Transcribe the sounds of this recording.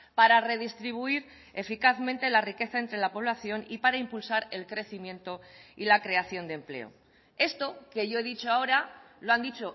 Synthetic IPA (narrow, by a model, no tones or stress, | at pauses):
paɾare̞ðist̪ɾiβ̞uiɾ | e̞fikaθmẽnt̪e̞larike̞θae̞nt̪ɾe̞lapo̞β̞laθjo̞nipaɾaimpulsaɾe̞lkɾe̞θimjẽ̞nt̪o̞ilakɾe̞aθjo̞nd̪emple̞̰o̰ | e̞st̪o̞ke̞ʝo̞e̞ðit͡ʃoao̞ɾaloand̪it͡ʃo̞